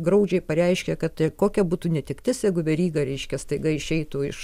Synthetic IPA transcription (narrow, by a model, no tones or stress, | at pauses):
ɡɾɐʊd͡ʒʲɛɪpɐɾʲɛɪʃʲkʲɛkɐt̪koːkʲɛbuːt̪uːnʲɛt̪ʲɪkt̪ʲɪsjɛɪɡʊʋʲɛɾʲiːɡɐɾʲɛɪʃʲkʲɛst̪ɐɪɡɐɪʃʲɛɪt̪uɪʃ